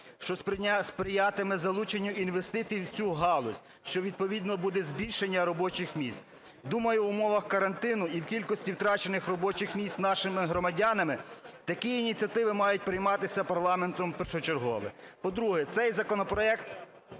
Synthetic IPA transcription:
ʃt͡ʃɔspɾɪjat̪ɪmɪzɐlˠut͡ʃenʲːʊinʋest̪ɪt̪iwt͡sʲuɦɑlˠɔsʲ | ʃt͡ʃɔʋʲid̪̚pɔʋʲid̪nɔbud̪ɛzʲbʲilʲʃenʲːɐɾɔbɔt͡ʃɪxmʲist̪ | d̪umɐjʊwʊmɔʋɐxkɐɾɐnt̪ɪnʊiwkʲilʲkɔsʲtʲiwt̪ɾɑt͡ʃenɪxrɔbɔt͡ʃɪxmʲist̪nɑʃɪmɪɦɾɔmɐdʲanɐmɪt̪ɐkijːnʲit͡sʲɐt̪ɪʋɪmɑjʊt̚ʲpɾɪjmɑt̪ɪsʲɐpɐrlˠɑment̪ɔmpɛrʃɔt͡ʃerɦɔ̰ʋɪ̰pɔd̪ɾuɦɛt̪sɛjzɐkɔnɔpɾɔɛkt̪

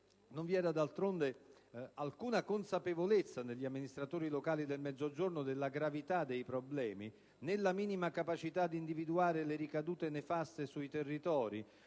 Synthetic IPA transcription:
nõɱvjɛːd̪ad̪alt̪ɾond̪ealkuːnakonsapevolet̪sːaneʎːiamːinist̪ɾat̪oːɾilokaːlid̪elmɛd̪zːod͡ʒornod̪elːaɡɾavit̪ad̪ːejpɾoblɛːmi | nelːamiːnimakapat͡ʃit̪ad̪iːnd̪ivid̪uaːɾeleɾikad̪uːt̪enefast̪esuit̪erːit̪ɔːɾḭ

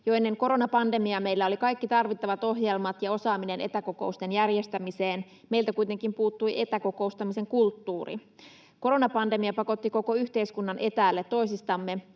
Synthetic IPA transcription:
joe̞nːeŋko̞ɾo̞nɑpɑnde̞miɑme̞ilːæo̞likɑjkːit̪ɑrʋit̪ːɑʋɑt̪o̞ɦjelmɑt̪jɑo̞sɑːmine̞nʔe̞t̪æko̞ko̞ust̪e̞njærjest̪æmise̞ːn | me̞ilt̪ækuit̪e̞ŋkimpuːt̪ːujʔe̞t̪æko̞ko̞ust̪ɑmise̞ŋkult̪ːuːrḭ | ko̞ɾo̞nɑpɑnde̞miɑpɑko̞t̪ːiko̞ko̞yht̪eiskunːɑnʔe̞t̪æːlːet̪ːo̞isist̪ɑmːe̞

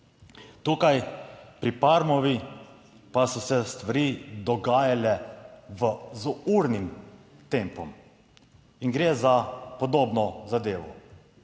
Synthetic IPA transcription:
t̪uːkajpɾipaɾmɔʋi | pasɔsɛst̪ʋaɾiːd̪ɔɡaːjalɛʋəzuuɾnim | t̪empɔm | iŋɡɾeːzapɔd̪oːbnɔzad̪eːʋɔ̰

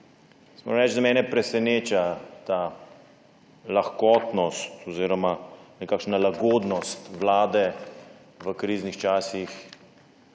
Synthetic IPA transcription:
smo̰ɾaɾɛd͡ʒd̪amɛːnɛpɾɛsɛneːt͡ʃat̪a | laxkɔt̪nɔst̪ɔziːɾɔmanɛkaːkʃnalaɡɔːd̪nɔst̪ʋlaːd̪ɛ | ʋəkɾiːznixt͡ʃaːsix

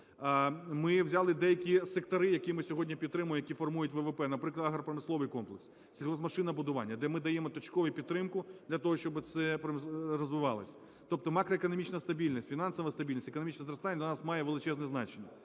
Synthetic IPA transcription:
mɪwzʲɑlˠɪd̪ɛjɐkʲisek̚t̪ɐɾɪjɐkʲimɪsʲɔɦɔdʲnʲipʲid̪t̪ːɾɪmʊjmjɐkʲifɔrmujʊtʲʋɛʋepɛnɐpɾɪklˠɐd̪ɐɦɾɐpɾɐmɪslˠɔʋɪjkɔmplˠeks | t͡sʲilʲɦɔzmɐʃɪnɐbʊd̪ʊʋɑ̰nʲːɐd̪ɛmɪd̪ɐjɛmɔt̪ɔt͡ʃkɔʋijpʲid̪ɾɪmkʊd̪lʲɐt̪ɔɦɔʃt͡ʃɔbɪt̪sɛpɾɐmrɔzʋɪʋɑlˠɪ̰sʲɐ | t̪ɔp̚t̪ɔmɑkɾɔekɔnɔmʲit͡ʃnɐst̪ɐbʲilʲnʲisʲtʲfʲinɑnsɔʋɐst̪ɐbʲilʲnʲisʲekɔnɔmʲit͡ʃnɛzɾɔst̪anʲːɐd̪ʲɐnɑsmɑjɛʋelˠɪt͡ʃɛznɛznɑ̰t͡ʃenʲːɐ

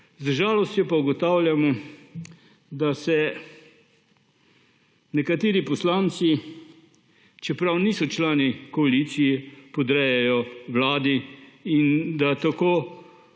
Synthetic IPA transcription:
zʒaːlɔst̪jɔpauɡɔt̪awljamɔ | d̪asɛ | nɛkat̪eːɾipɔslant̪si | t͡ʃɛpɾawniːsɔt͡ʃlaːnikɔalit̪sijɛpɔd̪ɾɛjɛjɔwlaːd̪iind̪at̪akoː

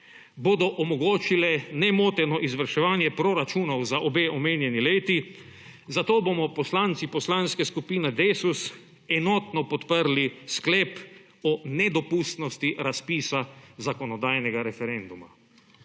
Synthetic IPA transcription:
boːd̪ɔʔɔmɔɡoːt͡ʃilɛnɛmoːt̪ɛnɔʔizʋəɾʃɛʋaːnjɛpɾɔɾat͡ʃuːnɔwzaʔɔbeːʔɔmeːnjɛnileːt̪i | zat̪oːbomɔpɔslant̪sipɔslaːnskɛskupiːnɛd̪eːsus | ɛnɔt̪nɔpɔt̪pəɾliskleːp | ɔnɛd̪ɔpuːst̪nɔst̪iɾaspiːsazakɔnɔd̪aːjnɛɡaɾɛfɛɾɛnd̪uma

